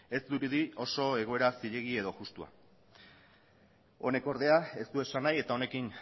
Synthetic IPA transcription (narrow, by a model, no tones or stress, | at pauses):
e̞zd̪uɾuðio̞so̞e̞ɣ̞o̞e̞ɾasiʎe̞ɣ̞ie̞ðo̞ʝust̪ua̰ | o̞̰ne̞ko̞ɾðe̞ae̞st̪ue̞sanaje̞t̪ao̞ne̞kin